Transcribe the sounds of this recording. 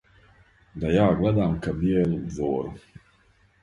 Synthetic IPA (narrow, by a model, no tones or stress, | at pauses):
d̪ajaːɡlad̪aːmkabielzoːɾ